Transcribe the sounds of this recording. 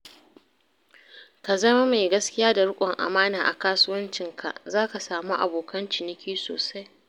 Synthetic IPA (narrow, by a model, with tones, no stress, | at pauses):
ka˨zɐ˦ma˦me˨ɡɐ˦skʲɪ˦jaː˦da˨ɽʊ˦kʷʼɔ˨ŋʔa̰˨maː˦naː˨ʔa̰˨kaː˦sʊ˦wɐ˦nt͡ʃɪ˨ŋkʰa̰˨ʔzaː˦ka˨saː˨mu˦ʔa̰˨boː˨kʰɐ˦nt͡ʃɪ˨nɪ˦kʲiː˦so̰ː˨sa˦j